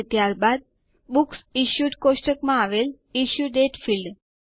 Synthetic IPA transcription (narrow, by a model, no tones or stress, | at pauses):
t̪jaɾbad̪̚ | buksiɕjuʈkoʂʈəkmãaʋel | iɕjuɖeʈfilɖ